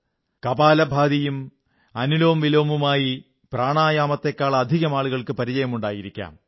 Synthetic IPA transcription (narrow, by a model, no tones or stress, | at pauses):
kɐbaːlɐbʱaːd̪ijum | ɐnuloːmʋiloːmumaːji | praːɳaːjaːmɐt̪ːekːaːɭɐːd̪ʱiɣɐmaːɭuɣɐɭkɨpɐɾit͡ɕɐjɐmuɳɖaːjiɾikʲːa̰ːm